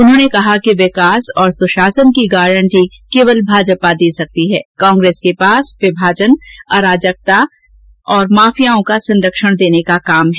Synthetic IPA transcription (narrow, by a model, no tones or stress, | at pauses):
ʊnɦõːnekɐɦakiʋɪkaːsɔːɾsʊʃaːsənkiɡaːɾə̃ɳʈikeːʋəlbʱaːd͡ʒpad̪iːsɐk̚t̪iɦɛːkɔ̃ːŋɡɾeːskepaːsʋɪbʱaːd͡ʒənɐːɾaːd͡ʒək̚t̪a | ɔːɾmaːfijaõkasɐ̃nɾəkʃəɽ̃d̪eːnekakaːmɦɛː